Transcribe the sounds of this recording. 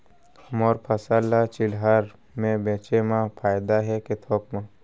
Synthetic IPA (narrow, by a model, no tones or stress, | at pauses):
mɔːɾpʰəsalːat͡ʃɪlɦaɾ | mẽbẽːt͡ʃemãpʰaːjd̪aɦɛket̪ʰɔːkmã